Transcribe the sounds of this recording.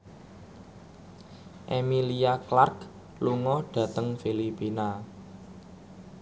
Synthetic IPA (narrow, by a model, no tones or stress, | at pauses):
ʔemiliaklark | luŋɔɖ̥ä̤t̪əŋfilipina